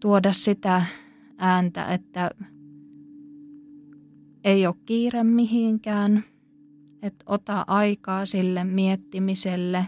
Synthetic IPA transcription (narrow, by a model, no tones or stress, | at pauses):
t̪uodɑssit̪æ | ʔæːnt̪æ̰ʔet̪ːæ | eiokkiːremmiɦiŋkæːn | et̪ot̪ɑʔɑikɑːsilːemmiet̪ːimiselːe